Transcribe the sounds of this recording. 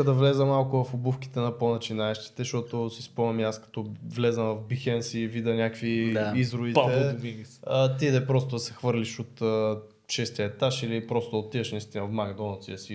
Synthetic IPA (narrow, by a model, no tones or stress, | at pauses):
d̪ɐvlɛzəmalˠkʊvɐfobufki̥t̪ɛnɐponɐt͡ʃinaɛʃt̪i̥t̪ɛʃt̪ɔt̪osispɔmɐmiaskɐ̥t̪ɔvlɛzɐmvɐvbixɛnsivid̪ɐnʲakvid̪aizɾʊvipt̪ɛbiət̪id̪ɛpɾost̪ʊd̪ɐsɛ̥xvɤɾliʃot̪ə | ʃɛst̪iət̪aʃilipɾɔst̪ʊd̪əot̪ːiɛʃnɐist̪infmaɡd̪ɔnɐt̪siəsi